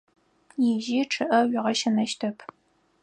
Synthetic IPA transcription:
jɪʒiʈ͡ʂʰɨʔɐɥɪʁɐʃɐnɐʃtʰɐpʰ

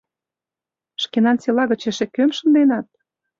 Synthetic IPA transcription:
ʃkenɑnt͡selɑɣə̆t͡ɕeʃĕkømʃə̆nd̪enɑt̪̚

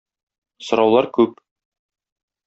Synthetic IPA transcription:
sŏɾɑwlˠɑɾkʉp

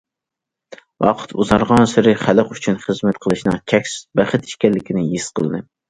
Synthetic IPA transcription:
wɑ̰qʰɨ̥t̪ʰuzɑɾʁɑnsɨɾɨχælˠɨqyt͡ʃʰynχɨzmɛt̪qʰəlˠɨʃnɨŋt͡ʃʰɛkʲsbæχɨt̪i̥ʃkʲɛlːɪkʲinɪjisqʰəlˠɨnɨ

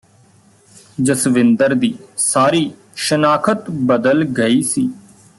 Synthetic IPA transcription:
d͡ʒəsʋɪnd̪əɾd̪iːsaːɾiː | ʃənaːkʰət̪bəd̪əlɡəiːsiː

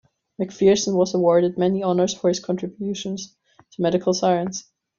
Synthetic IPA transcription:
mɪkfiɹsə̃nwʌzəwɔɹɾɨd̚mɛniɑnə˞z̥fə˞hɨz̥kʰɑ̃ntɹ̥ɨbjʉʃə̃nz̥ | tʰəmɛɾɨkʰəl̩ˠsaɪə̃ns

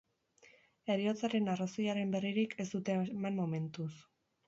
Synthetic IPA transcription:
e̞ɾio̞t͡saɾe̞narasojaɾe̞mbe̞riɾikʰe̞zd̪ut̪emamːo̞me̞nt̪us

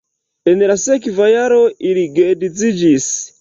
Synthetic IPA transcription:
ɛnɛɾasɛkivajaɾɔʔiɾiɡɛdit͡sid͡ʒis

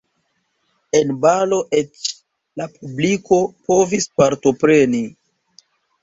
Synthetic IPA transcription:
e̞nbalo̞ʔet͡ʃ | lapubliko̞po̞vispaɾto̞pɾeni

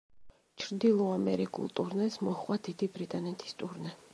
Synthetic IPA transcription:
t͡ʃʰɾd̪ilˠɔamɛɾikʼṵlˠt̪ʼuɾnɛsmɔχwad̪ʰid̪ibɾit̪ʼanɛt̪ʰi̥st̪ʼuɾnɛ

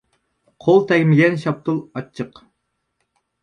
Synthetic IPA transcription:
qʰolˠt̪ʰɛɡʲmɪɡʲɛnʃɑp̚t̪ʰulˠɑt͡ʃʰːəq

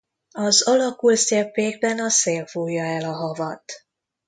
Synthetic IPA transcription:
ɒzɒlɒkulsɛpːeːɡ̚bɛnɒseːlfuːjːɒɛlɒɦɒvɒt̪

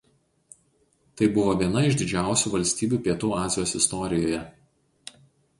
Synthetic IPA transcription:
t̪ɐɪbʊʋoːʋʲiɛnɐɪʒd̪ʲɪd͡ʒʲæˑʊsʲuːʋɐlʲsʲt̪ʲiːbʲuːpʲiɛt̪uːɑːzʲɪjoːsɪst̪ɔɾʲɪjoːjɛ

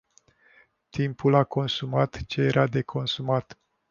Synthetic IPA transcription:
t̪impulako̞nsumat̪t͡ʃe̞jeɾad̪e̞kʰo̞nsumat̪

